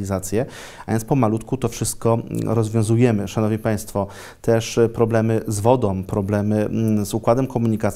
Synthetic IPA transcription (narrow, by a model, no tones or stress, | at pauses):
izat̪sʲjɛ | avʲjɛnt̪spɔmalut̪kut̪ɔfʂɘst̪̚kɔɾɔzvʲjɔ̃w̃zujɛmɘʂanɔvɲipaj̃st̪fɔ | t̪ɛʂpɾɔblɛmɘzvɔd̪ɔ̃w̃pɾɔblɛmɘzukwad̪ɛmkɔmuɲikat̪